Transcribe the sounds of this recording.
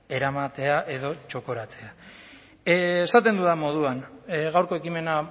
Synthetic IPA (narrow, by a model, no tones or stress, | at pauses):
e̞ɾamat̪e̞aʔe̞ðo̞t͡ʃo̞ko̞ɾat͡se̞a | sat̪̬end̪uðamo̞ð̞uanɣawɾko̞e̞kime̞na